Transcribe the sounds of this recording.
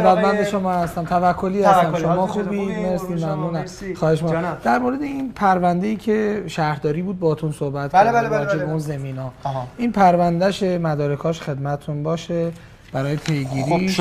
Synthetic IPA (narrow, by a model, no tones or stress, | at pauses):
bæt̪mænd̪eʃo̞mɒːhæst̪æmt̪ʰævækʰːoliːhæst̪æmʃommɒːxuːbimeɾsiːmæmnuːnæm | xɒːheʃmːd̪̥æɾmoɾed̪eiːnpʰæɾvænd̪e̞jiːcʰe̞ʃæhɾhd̪ɒːɾiːbuːd̪̚bɒːt̪ʰunsohbæt̪kædɒːd͡ʒebeunzemiːnɒːʔiːnpʰæɾvænd̪æʃemæd̪ɒːɾekʰɒːʃxe̞d̪mæt̪ʰet̪ʰunbɒːʃe | b̥æɾɒːjepʰe̞jɡiːɾiː